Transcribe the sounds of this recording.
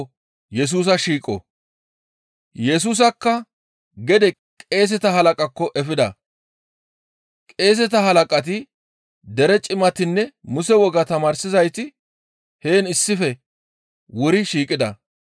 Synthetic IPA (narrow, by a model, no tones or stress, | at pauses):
jɛs̬uːs̬ɐʃiːkʼɔ̰ | jɛs̬uːs̬ɐkːɐ | ɡɛd̪ɛ | kʼe̞ːs̬ɛt̪ɐhɐlɐkʼɐkːɔʔɛfɪd̪ɐ̰ | kʼe̞ːs̬ɛt̪ɐɦɐlɐkʼɐt̪̬ɪ | d̪ɛɾɛt͡ʃʼɪmɐt̪ɪnːɛmʊsɛwɔɡɐt̪ɐmaːɾsɪzɐjt̪ɪ | he̞ːnɪsːɪfɛ | wʊɾɪʃiːkʼɪd̪ɐ̰